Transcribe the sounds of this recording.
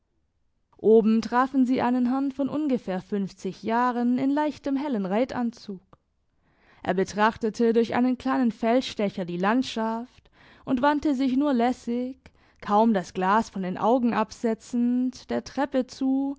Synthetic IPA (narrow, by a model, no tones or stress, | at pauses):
ʔoːbm̩tʁ̥aːfn̩ziːʔaɪnənɦɛɐnfɔnʔʊnɡəfeːɐfʏnft͡sɪçjaːʁənɪnlaɪçtəmɦɛlənʁaɪtʔa̰nt͡suːk | ʔḛːɐbətʁ̥aχtətʰədʊɐçʔa̰ɪnənkl̥aɪnənfɛlsʃtɛçɐdiːlantʃaft | ʔʊntv̥antəzɪçnuːɐlɛsɪç | kʰːaʊmdasɡ̥laːsfɔndeːnʔa̰ʊɡŋ̩ʔapz̥ɛt͡sn̩td̥eːɐtʁ̥ɛpət͡suː